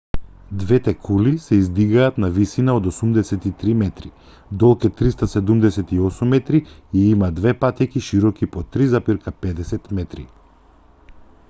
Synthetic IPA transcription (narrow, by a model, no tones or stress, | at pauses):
d̪vɛt̪ɛkʰulisɛizd̪iɡaːt̪navisinaod̪osumd̪ɛsɛt̪it̪ɾimɛt̪ɾi | d̪ɔlˠkɛt̪ːɾist̪asɛd̪umd̪ɛsɛt̪iɔsumːɛt̪ɾiiimad̪vɛpat̪ikiʃiɾɔkipɔt̪ɾizapiɾkapɛd̪ɛsɛt̪mɛt̪ɾḭ